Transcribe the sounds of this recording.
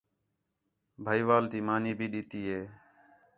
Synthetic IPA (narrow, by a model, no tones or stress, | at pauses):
bʱaːiːʋaːlt̪iːmaːniːbʱiːɗiːt̪iːɦeː